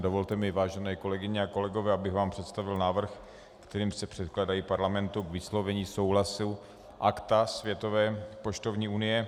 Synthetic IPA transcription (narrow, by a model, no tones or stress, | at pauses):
dovolt̪ɛmɪvaːʒɛnɛːko̞lɛɡɪɲɛako̞lɛɡovɛːabɪɣvaːmpr̝̥ɛt̪st̪avɪlnaːvr̩x | kt̪ɛɾiːmsɛpr̝̥ɛt̪klaːdajipaɾlamɛnt̪ukvɪslovɛɲiːsowɦlasɪ | ʔakt̪asvjɛt̪o̞vɛːpoʃt̪ovɲiːunɪjɛ